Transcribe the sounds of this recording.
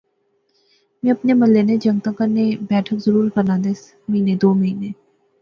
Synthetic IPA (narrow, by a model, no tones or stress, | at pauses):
mɛ̃ːɐpnemɐlːened͡ʒɐ̃ŋɡ̚t̪ãkɐɾnebɛːʈʰəkzəɾuːɾkɐɾnãːd̪es | mɐɦiːned̪oːmɐɦineː